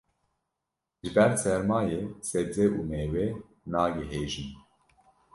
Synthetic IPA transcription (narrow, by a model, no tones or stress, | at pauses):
ʒɨbɛɾsɛɾmɑːjeːsɛd͡zɛʔuːmeːwe | nɑːɡɛɦeːʒin